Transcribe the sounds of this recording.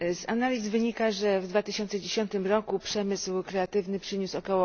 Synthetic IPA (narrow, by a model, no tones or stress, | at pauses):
zanalʲizvɘɲikaʐɛvd̪vat̪ɘɕɔnt̪sɛd͡ʑeɕɔnt̪ɘmɾɔkupʂɛmɘswkɾɛat̪ɘvnɘpʂɘɲusɔkɔwɔ